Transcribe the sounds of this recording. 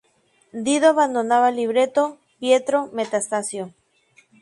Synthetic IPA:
d̪iðoaβand̪onaβaliβɾet̪o | pje̞t̪ɾome̞t̪ast̪asjo

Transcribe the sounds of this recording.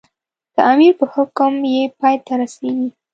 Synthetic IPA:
d̪̥əʔamiɾpəhʊkəmjepɑjt̪aɾaseɡi

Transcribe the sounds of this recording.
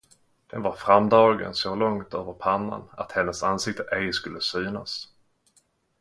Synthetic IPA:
d̪̥ɛnvaɾfɾamd̪ɑːɡə̰nsɔlɔŋt̪øːvəɾpʰanːa̰na̰t̪hɛnːəsansɪk̚t̪əʔɛjskɵlːəsyːnas

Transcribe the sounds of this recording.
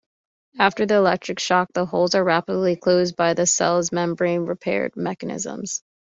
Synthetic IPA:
æftə˞ðiəlɛk̚tɹ̥ɨkʃɑk̚ðəɦoʊlˠzə˞ɹæpədˡlikʰl̥oʊzbaɪðɨsɛ̰lˠzmɛ̃mbɹẽɪ̃nɹɨpʰɛ̰ɹd̚mɛkɨnɪ̰zə̰̃mz̥

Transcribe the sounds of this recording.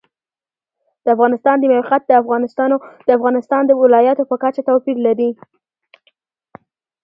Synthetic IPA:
d̪̥əafɣɑnɪst̪ɑnd̪əmajqat̪̚d̪əafɣɑnɪst̪ɑnod̪̥əafɣɑnɪst̪ɑnd̪əwɪlɑjɑt̪opəkat͡ʃat̪apiɾlaɾi

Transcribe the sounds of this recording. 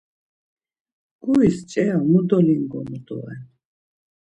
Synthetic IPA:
ɡʼuist͡ʃʼɛamud̪ɔliŋɡɔmud̪ɔ̰ɛ̰n

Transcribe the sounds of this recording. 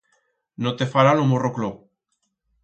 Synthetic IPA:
not̪efaɾanomoroklo

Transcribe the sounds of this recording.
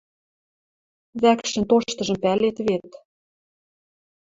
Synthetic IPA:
βækʃɘ̆nt̪oʃt̪ɤ̆ʒɤ̆mpælet̪βet̪

